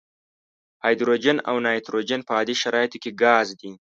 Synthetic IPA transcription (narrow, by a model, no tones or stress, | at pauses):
hɑjd̪ɾod͡ʒana̰wnɑjt̪ɾod͡ʒanpəːd̪iʃaɾɑːjt̪okeɡɑːzd̪i